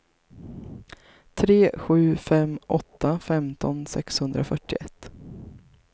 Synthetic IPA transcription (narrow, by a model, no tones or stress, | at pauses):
t̪ʰɾeːɧʉ̟ːfɛmʔɔt̪ʰːafɛmt̪ʰɔnsɛkshɵnd̪ɾafœʈːɪɛt̪ː